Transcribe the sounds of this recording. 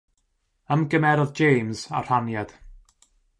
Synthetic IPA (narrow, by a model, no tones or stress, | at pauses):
əmɡəmɛɾɔðd͡ʒejmza̰r̥anjad̥